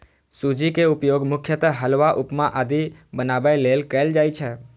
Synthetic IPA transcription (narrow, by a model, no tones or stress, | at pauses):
sud͡ʒikeupjoɡmʊkʰjət̪əɦəlʋaʔupmãʔad̪ibənabajlelkəld͡ʒajt͡ʃʰe